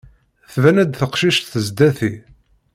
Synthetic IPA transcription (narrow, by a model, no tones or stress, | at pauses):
θvænæd̪θəqʃiʃt̪θəzd̪æθi